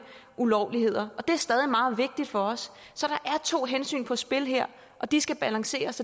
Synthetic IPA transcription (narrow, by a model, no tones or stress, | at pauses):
ʔulɒʊlihe̝ð̞̰ˠɐɒ̽d̥e̝æɐsd̥ɛːð̞ˠimɑ̈ːð̞̩ˠʋe̝ɡ̥̚d̥id̥fɒ̽ɒ̽sː | ɒ̽ɾ̥ɑ̈ʔæɐt͡sʰo̝̰ːɦensy̰ːnpʰɒ̽sb̥e̝lɦeɐ̰ | ʔɒ̽d̥isɡ̥æb̥ælɑ̈ŋse̝̰ːɐsɒ